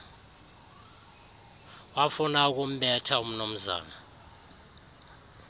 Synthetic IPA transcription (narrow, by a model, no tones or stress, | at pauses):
wafunak̬ʼum̩ɓɛtʰaum̩num̩za̰ːna